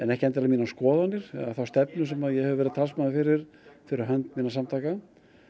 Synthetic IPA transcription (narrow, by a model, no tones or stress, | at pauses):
ɛnɛhcɪɛnt̪̬ɪɾamiːnaskɔːðanːɪɾ̥aθawst̪ɛpnʏs̬ɛmaðjɛhɛvʏvɛɾðt̪ʰaːlsmanafɪɾɪɾ̥ | fɪɾɪɾaɦœnt̪miːnasamt̪ʰaːka